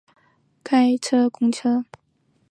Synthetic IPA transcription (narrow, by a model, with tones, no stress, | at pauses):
kʰa˥ɪʈ͡ʂʰɤ˥kʊ˥ŋʈ͡ʂʰɤ˥